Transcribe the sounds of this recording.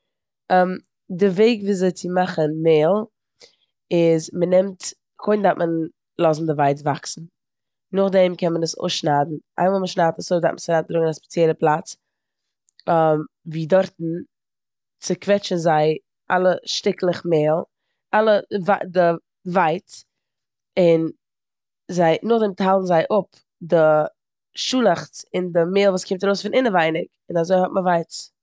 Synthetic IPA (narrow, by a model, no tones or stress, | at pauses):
m | dɪveɪɡviːzeɪt͡sɪmaχənmeːlˠ | ɪzmənɛmt | kʰoɪndatmʔən | lˠɔzn̩dɪvaɪtvaksn̩ | nʊχdɛmkɛnmənəso̰ːsʃnaːdn̩ʔa̰ɪmalˠməʃnaːtasoːda̰tmənsaɾat̚dɾʊɡŋ̩aspɛ̥t͡sjɛlˠəplˠat͡s | m | viːdɔɾtn̩ | t͡sɪkvɛt͡ʃn̩zaɪ | ʔa̰lˠəʃtɪklˠəχmeːlˠ | alˠəvadɪ | vaɪt͡s | ɪn | zaɪnʊχdɛmthalˠn̩zaɪʔʊp | dɪ | ʃuːlˠaχt͡sɪndɪmeːlˠvuːskʰɪmtaɾoʊsfɪnʔɪnəvaɪnɪk | ɪnazoɪhɔtməvaɪt͡s